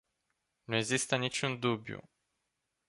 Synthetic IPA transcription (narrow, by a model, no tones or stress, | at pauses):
nueɡzist̪ənit͡ʃund̪ubjṵ